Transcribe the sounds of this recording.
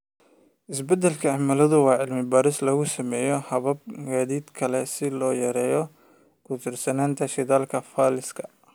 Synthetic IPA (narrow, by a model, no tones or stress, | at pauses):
ʔɪsbɛd̪ɛlkʰɐɑmɐlɐðʊwɑːʕɪlmɪbaːɾɪslɐɣʊsɐmɛːjɔhɐβɐb̚ɡaːðiːd̪kʰɐlɛsɪlɔːjɐɾɛːjɔ | kʰʊt̪ʰɪrsɐnaːnt̪ʰɐʃɪðaːlkʰɐfaːlɪskʰɐ̥